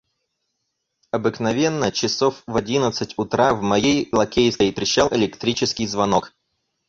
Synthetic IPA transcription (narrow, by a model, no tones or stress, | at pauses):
ɐbɨknɐvʲe̞nːət͡ɕɪsofvɐdʲinət̪sɨtʲʊt̪ɾavmɐjejlˠɐkʲejskəɪpɾʲɪɕːalˠʔɪlʲɪkt̪ɾʲit͡ɕɪskʲɪjzvɐnok